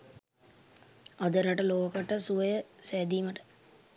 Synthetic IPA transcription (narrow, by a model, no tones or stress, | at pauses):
ɐd̪əɾəʈəloːkəʈəsuʋəjəsæːd̪iːməʈə̥